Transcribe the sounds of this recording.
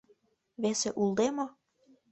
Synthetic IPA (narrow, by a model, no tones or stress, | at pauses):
βeseʔulˠd̪emo